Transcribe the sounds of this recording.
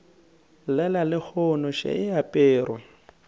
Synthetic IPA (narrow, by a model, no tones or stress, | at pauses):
lɛlalɪk͡xʰɔnɔʃḛɪapʼeːɾwɔ